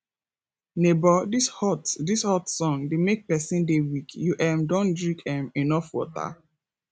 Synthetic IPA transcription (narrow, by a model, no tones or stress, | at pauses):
nebɔdishɔtdishɔtsɔ̃ŋdemek̚pɛsĩndewikjuʔɛmdɔ̃ndɹĩkɛ̃menɔfwɔ̰ta̰